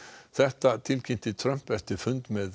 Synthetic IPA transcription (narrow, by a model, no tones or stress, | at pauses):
ðɛt̪ːat̪ʰɪlkʰɪnt̪ʰɪt̪ʰɾœmpɛft̪əfʉnd̪meːð